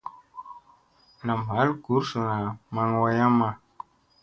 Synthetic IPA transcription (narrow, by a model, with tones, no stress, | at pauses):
na˨ma˨˦lɡu˨˦rsu˨na˨ma˨ŋwa˧ja˦ma˨